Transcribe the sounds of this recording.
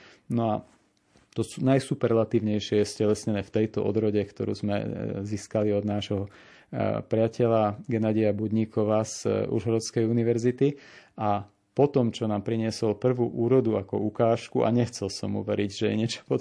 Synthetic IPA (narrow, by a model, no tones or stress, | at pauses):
nɔa | t̪ɔsunajsupɛɾɛlat̪iːʊɲɛjʃɪɛjɛscɛlɛsɲɛnɛːft̪ɛjt̪ɔ̰ʔɔ̰d̪ɾɔɟɛkt̪ɔɾṵːzmɛ̰ziːskaliɔd̪naːʒɦɔ | pɾɪacɛʎaɡɛnad̪iabud̪ɲikʰɔʋaːz̥ṵɾɦɔɾɔt͡skɛjuniʋɛɾzit̪ia | pɔt̪ɔmt͡ʃɔnaːmpɾiɲɪɛsɔlpr̩ʋuʔuːɾɔd̪uakɔ̰ukaːʃkuʔa̰ɲɛxt͡sɛlsɔ̰mːṵʋɛɾiɟʒɛjɛ̰ɲɪɛt͡ʃɔ̥pɔ